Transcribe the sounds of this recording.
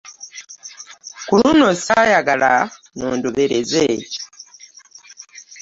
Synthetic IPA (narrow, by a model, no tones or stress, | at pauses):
kulunosajaɡala | noːnduβeɾeze